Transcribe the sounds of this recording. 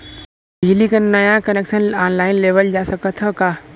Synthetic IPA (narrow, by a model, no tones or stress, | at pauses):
d͡ʒɪlikanɐjakəneːkʃənaːnlaːɪnleːʋəld͡ʒaːsəkət̪ʰɦəkaː